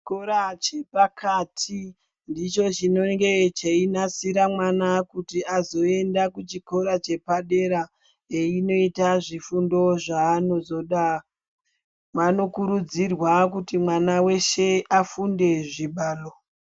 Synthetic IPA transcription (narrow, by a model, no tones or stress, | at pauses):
koɾat͡ʃepakʰatʰi | ndit͡ʃo̞t͡ʃino̞ŋɡe̞t͡ʃeinasiɾamwanakutiazo̞e̞ndakut͡ʃiko̞ɾat͡ʃe̞paɗe̞ɾa | eino̞itaʐifundo̞ʐaːno̞zo̞ɗa | mwano̞kuɾud͡zirwakutimwanawe̞ʃe̞afunde̞ʐiɓaːlo